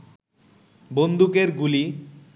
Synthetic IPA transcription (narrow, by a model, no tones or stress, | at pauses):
bond̪ʱukeɾɡuli